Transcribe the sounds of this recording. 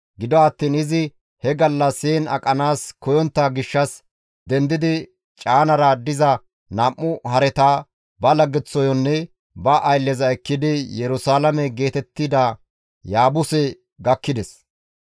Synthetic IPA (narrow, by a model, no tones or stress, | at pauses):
ɡɪd̪ɔɐt̪ːiːnɪzɪ | hɛɡɐlːɐseːnɐ̰kʼɐnaːskɔjɔnt̪ːɐɡɪʃːɐs | d̪ɛnd̪ɪd̪ɪ | t͡ʃʼaːnɐɾɐd̪ɪzɐ | namːʊhɐɾɛt̪aː | bɐlɐɡːɛt͡sːɔjɔnːɛ | bɐʔːjlːɛzɐɛkːɪd̪ɪjɛɾʊsaːlɐmɛɡe̞ːt̪ɛt̪ːɪd̪a | jaːbʊsɛ | ɡɐkːɪd̪ɛs